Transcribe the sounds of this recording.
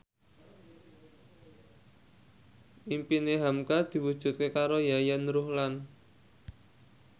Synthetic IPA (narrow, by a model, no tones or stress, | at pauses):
ʔimpineɦamkad̪̥i̤wud̥ʒ̥ṳt̪̚kekaɾojajənɾuhlan